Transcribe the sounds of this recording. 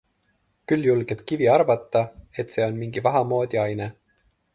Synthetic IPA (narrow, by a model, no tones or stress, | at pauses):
kylːjulɡ̥eb̥kiviɑrvɑt̪ˑːɑe̞t̪ːˑse̞ːo̞nmiŋɡ̥ivɑɦɑmo̞ːd̪̥ʲiɑjne